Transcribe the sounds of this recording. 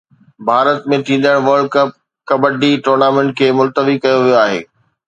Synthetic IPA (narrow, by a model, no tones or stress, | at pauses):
bʱaːɾət̪mẽt̪ʰĩːn̆d̪əɽ̃ʋəɾɖ̚kɐp̚ | kɐbəɖiʈoːɾnaːmẽɳʈ̚kʰeːmʊlt̪əʋikɐjoʋijoaːɦḛː